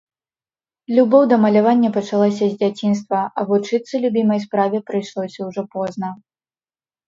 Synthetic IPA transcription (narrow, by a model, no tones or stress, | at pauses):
lʲubɔwd̪ɐmɐlʲavanʲːɐpɐt͡ʂalˠɔs̬ʲɐzʲd͡zʲat͡sʲins̬t̪vɐɐvut͡ʂɨt̪sɨlʲubʲimɐjspɾavʲɛpɾɨjʂlˠɔsʲɐwʐɔpɔznɐ